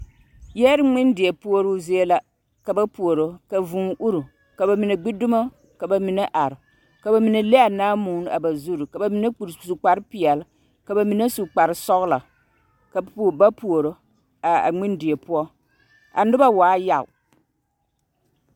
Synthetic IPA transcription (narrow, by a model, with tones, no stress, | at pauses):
jɛ˦ɾɪ˦ŋ͡mɪ˦ndɪ˨ɛ˨pu˦o˦ɾu˦zi˦e˦la˨ | ka˨ba˦pu˨o˨ɾo˨ka˨vu˨ŋʔu˦ɾu˨ | ka˨ba˨mi˨ne˨ɡ͡bɪ˦dʊ˦ma˦ | ka˨ba˨mi˨nɛ˦ʔa˨ɾɪ˨ | ka˨ba˨mi˨ne˨le˦a˨naː˦muː˨˦n˦a̰˨ba˨zu˦ɾu˨ka˨ba˨mi˨ne˦˨su˨k͡pa˨ɾɨ˦pɪ˨ɛ˨l | ka˨ba˨mi˨ne˦su˨k͡pa˨ɾɨ˨sɔ˦ɣla˨ | ka˨˦˨ba˦pu˨o˨ɾo˨ | a˨a̰˨ŋ͡mɪ˦ndɪ˨ɛ˨pu˦ɔ˦ | a̰˨nɪ˦ba˦waː˨˦ja̰˦˨